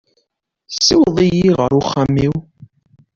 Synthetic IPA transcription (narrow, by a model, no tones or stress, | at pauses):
sːiwðˤijiʁə̰ɾuχːəmːiw